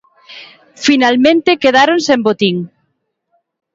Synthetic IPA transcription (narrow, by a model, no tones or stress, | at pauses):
finalmẽnt̪ekeðaɾonsembot̪iŋ